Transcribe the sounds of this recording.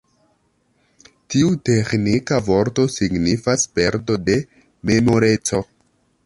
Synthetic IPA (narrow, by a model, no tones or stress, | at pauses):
tiute̞knikavo̞ɾto̞siɡnifaspe̞ɾto̞de̞ | me̞mo̞ɾe̞t͡so̞